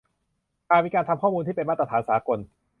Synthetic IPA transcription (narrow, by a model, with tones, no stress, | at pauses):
ʔaː˨˧miː˧kaː˧nt̪ʰa˧mkʰɔː˥˩muː˧nt̪ʰiː˥˩pe˧nmaː˥˩t̪a˧t̪ʰːnsaː˩˦ko˧n